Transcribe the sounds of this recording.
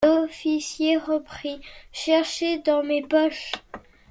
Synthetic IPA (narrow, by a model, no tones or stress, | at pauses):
ɔfisjeʁəpχiʃɛʁʃed̪ɑ̃mepɔʃ